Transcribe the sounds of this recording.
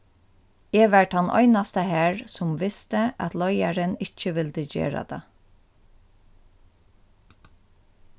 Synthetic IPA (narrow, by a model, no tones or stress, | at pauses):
ɛːʋæɹʈhanʔɔ̰ʏnast̪əhæːɹsʊmʋɪst̪əʔa̰t̪lɔjaɹənɪt͡ʃːəʋɪld̪əd͡ʒḛːɹa̰d̪̥ɑ̰